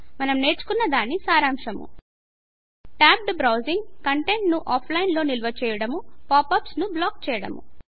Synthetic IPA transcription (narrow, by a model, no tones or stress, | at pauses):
mɐnɐmne̞ːɾt͡ʃu̥kunːɐd̪aːnisaːɾaːmʂɐmṵ | ʈaːb̚ɖɨbɾɐwziŋɡkɐɳʈe̞ɳʈnuʔaːpʰlɐjnlo̞ːnilʋɐt͡ʃɛːjɐɽɐmupaːpɐpsnublaːk̚t͡ʃɛːjɐɽɐ̰mṵ